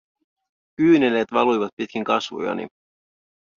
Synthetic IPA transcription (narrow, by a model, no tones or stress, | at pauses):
kyːneleːt̪ʋɑlujʋɑt̪̚pit̪̚kiŋkɑsʋo̰jɑ̰nḭ